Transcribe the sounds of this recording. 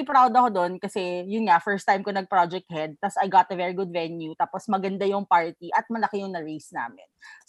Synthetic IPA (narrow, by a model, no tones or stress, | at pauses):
ɪpɾawd̪ɐkod̪onkɐsɛjʊnŋɐfɛɹst̪ajmkonɐɡ̚pɾod͡ʒɛk̚t̪̚hɛd̪̚t̪ɐsɐjɡat̪ɐvɛɹiɡʊd̪̚vɛnjut̪aːposmɐɡɐnd̪ajʊŋpaɹt̪iʔɐt̪̚mɐlɐkɪjʊŋnɐɹejsna̰ːmɪ̰n